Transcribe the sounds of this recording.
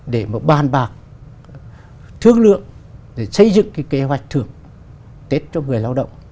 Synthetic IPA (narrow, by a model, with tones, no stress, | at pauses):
ɗe˧˩ma˨˩ɓaː˨˩nɓaː˨˩k̚ | t̪ʰɨ˧əŋlɨ̰˧˨əŋɗe˧˩sə˧jzɨ̰˧˨ŋka˨˦ke˨˦ɦwa˨˩jk̚t̪ʰɨ˧˩əŋ | t̪e˦˥t̚t͡ɕɔ˧ŋɨ˨˩əjlaː˧wɗə̰˧˨wŋ͡m